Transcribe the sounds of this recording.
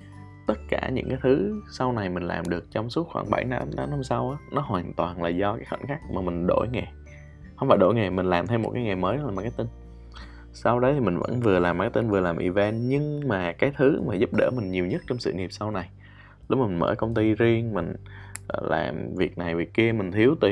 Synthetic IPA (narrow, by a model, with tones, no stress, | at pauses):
t̪ə˦˥t̚kaː˧˩ɲɨ̰˧˥ŋkaː˨˦jt̪ʰɨ˨˦sa˧wna˨˩jmï˨˩ŋ̟la̰ː˨˩mɗɨ˨˩ək̚t͡ɕɔ˧wŋ͡msu̥˦˥ət̚xwaː˧˩ŋɓa˧˩jna˧ɗa˨˦nhə˧wŋ͡msa˧wʔaː˨˦nɔ˨˦ɦwaː˨˩nt̪waː˨˩nlaː˨˩zɔ˧kaː˨˦jxə̰˧˩nxaː˦˥k̚maː˨˩mï˨˩ŋ̟ɗo̰˧˩jŋe˨˩ | hə˧wŋ͡mfaː˧˩ɗo̰˧˩jŋe˨˩mï˨˩ŋ̟laː˨˩mt̪ʰe˧mo̰˨˩t̚kaː˨˦jŋa˨˩məː˨˦jaː˨˩m˨˩kaː˨˦jt̪i˧n | sa˧wɗə˧˦jt̪ʰi˨˩mï̟˨˩və̰˧˥nvɨ˨˩əlaː˨˩m˨˩kːaː˨˦jt̪i˧nvɨ˨˩laː˨˩mʔḭ˨˩vɛ˧nɲɨ˧ŋmaː˨˩kaː˨˦jt̪ʰɨ˨˦maː˨˩zu˦˥p̚ɗə̰ː˧˩mï˨˩ŋ̟ɲi˨˩əwɲə˦˥t̚t͡ɕɔ˧wŋ͡msɨ̰˧˨ŋi˨˩əp̚sa˧wna˨˩j | lʊ˦˥maː˨˩˨mə̰ː˧˩jkə˧wŋ͡mt̪i˧zi˧əŋmï˨˩ŋ̟˧˩lʔa̰ː˨˩mvi˨˩ək̚na˨˩jvi˨˩k̚ki˧əmï˨˩ŋ̟t̪ʰi˨˦əwt̪i˨˩